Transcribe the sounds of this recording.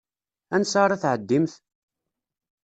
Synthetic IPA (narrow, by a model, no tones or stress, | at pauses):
ænsɑɾˤɑθʕəd̪ːimθ